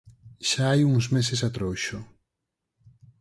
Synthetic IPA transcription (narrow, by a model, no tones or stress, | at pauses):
ʃaajuŋzmesesat̪ɾowʃo